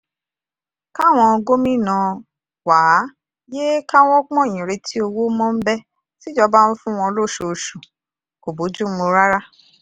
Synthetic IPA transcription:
ka˦˨w̃ɔ̃˧ɡo˦mĩ˦˨nã˧ | waː˨˦ | je˦ka˦w̃ɔ̃˦k͡pɔ̃˦˨j̃ĩ˨ɾe˧tʰi˦o˧wo˦mɔ̃˦m̩˦bɛ˦ | si˦d͡ʒɔ˦ba˦ñ̩˦fũ˦w̃ɔ̃˧lo˦˨ʃo˨ʃu˨ | ko˨bo˨˦d͡ʒu˦o˧ɾa˦ɾa˦

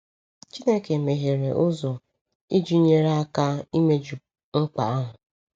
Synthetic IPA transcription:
t͡ʃi˦ne˦ke˨me˨ɦe˨ɾe˨ʔʊ˦zɔ˨ | i˦d͡ʒu˦ɲe˦ɾa˦ka˦i˦me˦d͡ʒu˨ | ŋ͡m̩˦k͡pa̰˨a˦ɦʊ˨

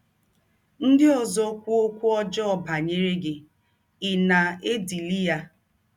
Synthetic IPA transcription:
n̩˦dɪ˦o˨zo˦kʷu˦o˦kʷu˦ɔ˦d͡ʒɔ˦ɔ˨ba˨ɲe˦ɾe˦ɡɪ˨ | ɪ˨na˨e˦di˨li˦ja˦

